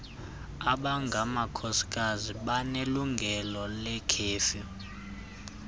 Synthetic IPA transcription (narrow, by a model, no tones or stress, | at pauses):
aɓaŋɡʱamakʰɔsi̥k̬ʼaziɓaneluŋɡʱɛlɔlɛkʰeːfɔ